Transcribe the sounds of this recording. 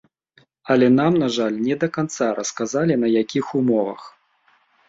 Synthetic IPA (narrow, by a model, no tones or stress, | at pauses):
ɐlʲɛnamnaʐalʲnʲɛd̪ɐkant̪saɾɐskazalʲinɐjakʲixumɔvɐ̰x